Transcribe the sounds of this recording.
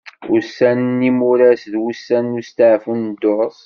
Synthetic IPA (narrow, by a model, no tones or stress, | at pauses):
usænnːimuɾæsðwusːænːust̪aʕfund̪ʊɾsˤ